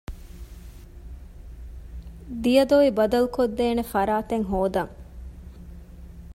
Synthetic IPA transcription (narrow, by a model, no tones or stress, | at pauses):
d̪ijɐd̪oʋibɐd̪ɐlukod̪ːeːnefɐɾaːt̪eŋɦoːd̪ɐŋ